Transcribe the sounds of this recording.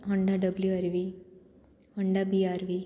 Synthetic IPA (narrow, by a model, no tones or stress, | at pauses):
ɦəɳɖaɖəbljuaɾʋi | həɳɖabiaɾʋi